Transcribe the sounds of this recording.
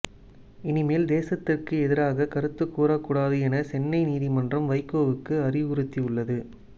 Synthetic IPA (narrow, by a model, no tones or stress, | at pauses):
ɪnɪmeːld̪eːsɐt̪ːɪrkɯɛðɪɾaːɣɐkɐɾɯt̪ːɯkːuːɾɐkːuːɽaːðɯɛnɐsɛnːɐɪniːðimɐndrɐmʋɐɪkːoːʋɯkːɯɐrɪʊɾɯt̪ːiɯɭːɐðɯ